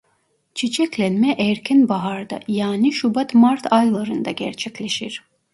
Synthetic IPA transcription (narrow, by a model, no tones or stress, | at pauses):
t͡ʃʰit͡ʃʰɛclʲænmɛʔɛɾcʲʰɛnbaɦaɾd̪a̰jaːniʃubat̪maɾt̪ʰajlˠaɾɯnd̪aɟæɾt͡ʃʰɛclʲeʃiɾ̥